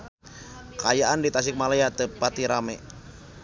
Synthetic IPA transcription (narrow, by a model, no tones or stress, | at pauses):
kajaʔandit̪as̬ɪk̚malajat̪əpat̪iɾamɛ